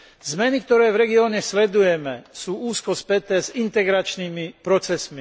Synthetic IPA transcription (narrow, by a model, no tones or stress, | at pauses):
zmɛnik̚t̪ɔɾɛːvɾɛɡiɔːɲɛslɛd̪ujɛmɛsuːuːskɔspɛt̪ɛːzint̪ɛɡɾat͡ʃniːmipɾɔt͡sɛsmi